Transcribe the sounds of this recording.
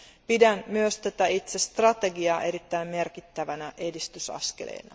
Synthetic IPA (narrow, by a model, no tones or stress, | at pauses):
pidænmyøst̪æt̪æit̪sest̪rɑt̪e̞ɡiɑːʔe̞ɾit̪ːæimme̞rkit̪ːæʋænæʔe̞dist̪ysɑ̰skḛlḛːnɑ̰